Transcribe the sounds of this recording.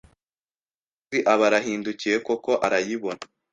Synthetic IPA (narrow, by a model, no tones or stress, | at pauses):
iʔaβaɾaɦiːnducije̞ko̞ko̞ʔaɾajiβo̞na